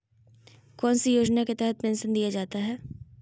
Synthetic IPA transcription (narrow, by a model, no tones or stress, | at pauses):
kɔːnsijoːd͡ʒnaket̪ɛɦɛt̪̚pẽːnsənd̪ijad͡ʒaːt̪aɦɛː